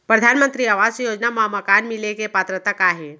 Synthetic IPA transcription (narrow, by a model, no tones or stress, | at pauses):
pɾəd̪ʱaːnmə̃nt̪ɾiaʋaːd͡ʒsjoːd͡ʒnamɐamɐkaːnmɪlekepaːt̪ɾət̪akaːɦe